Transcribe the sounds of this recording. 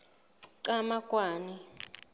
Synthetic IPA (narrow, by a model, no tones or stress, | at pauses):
ǀamakʼwaːni